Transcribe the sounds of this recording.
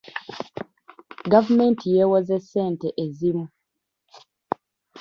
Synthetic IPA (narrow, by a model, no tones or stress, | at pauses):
ɡavumeːntijeːwozeseːnteʔezimu